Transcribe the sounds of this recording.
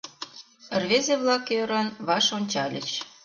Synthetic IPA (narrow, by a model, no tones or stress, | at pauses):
ə̆rβezeβlɑkøɾɑnβɑʃonʲt͡ɕɑlʲə̰̆t͡ɕ